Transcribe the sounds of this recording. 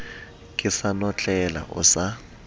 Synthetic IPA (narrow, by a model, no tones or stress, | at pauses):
kʼɪsanɔt͡ɬʼɛla̰ʔʊ̰sa